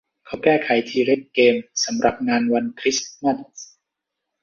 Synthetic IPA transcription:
kʰa˨˥˩wkɛː˥˩kʰa˨˩˦jt̪ʰiː˧ɾe˦˥˩kːeː˧msa˩˦mɾa˨˩p̚ŋaː˧nwa˧nkʰɾi˦˥sma˥˩n

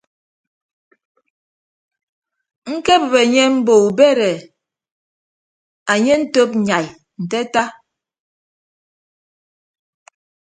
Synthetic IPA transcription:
ŋ̩˦ke˦bə˨βe˨ɲe˦m̩˦bo˨u˨be˦ɾe˨ | a˨ɲe˦n̩˦to˦p̚ɲa˨j | n̩˨te˦ta˦

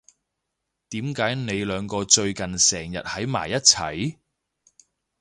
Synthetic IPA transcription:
t̪iː˨˥mkaː˨˥jne˨˧jlœː˨˧ŋkɔː˧t͡ʃɵ˧ɥkɐ˨nsɛː˨˩ŋjɐ̰˨t̚hɐ˨˥jma̰ː˨˩jːɐ˥t̚t͡sʰɐ̰˨˩j

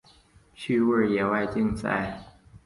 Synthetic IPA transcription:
ɕy˥˧wə˥˩jɛ˨˩wa˥˧ɪt͡ɕi˥˧ŋt͡sa̰˥˩ɪ

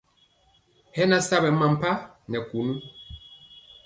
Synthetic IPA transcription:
hɛ˦na˦sa˦bɛ˨ma˨m̩˨pa˦ | nɛ˨ku˨nu˦

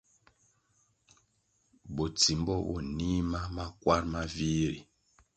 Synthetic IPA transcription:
bo˨t͡si˨mbɔ˦βɔ̰˨ni˦ma˦ma˦kwa˦ɾma˦vi˦ɾi˨

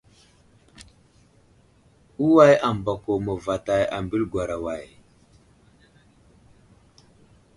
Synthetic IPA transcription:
u˦wa˦ja˨m˨ba˨ko˨mə˨va˨ta˨ja˨mbi˦lɡwa˨ɾa˨wa˨j

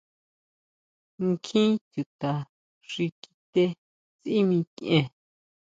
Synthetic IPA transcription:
ŋ˦kʰĩ˦t̪ʲu˨t̪a˨ | ʐi˧ki̥˧t̪e˧ | t͡si˦mĩ˧ki˧ʔẽ˧

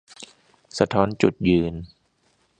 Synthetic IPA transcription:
sa˧t̪ʰɔː˦˥nt͡ɕu˨˩t̪̚jɯː˧n

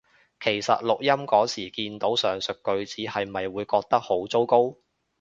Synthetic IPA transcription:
kʰe˨˩jsɐ̰˨t̚lʊ˨k̚jɐ˥mkɔː˨˥siː˨˩kiː˧nt̪o˨˥wsœː˨˩ŋsɵ˨kːɵ˧ɥt͡siː˨˥hɐ˨jmɐ˨jwuː˨˧jkɔː˧k̚t̪ɐ˥k̚ho˨˥wt͡so˥wko˥w

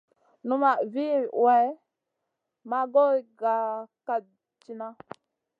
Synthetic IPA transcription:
nu˦ma˨vi˦˨wɛ˨˦ | ma˦ɡo˦˨ɡa˨ka˨ | t͡ʃi˦na˦

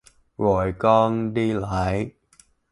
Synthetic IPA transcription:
ɣo˨˩jkɔ˧nɗi˧laː˨˦j

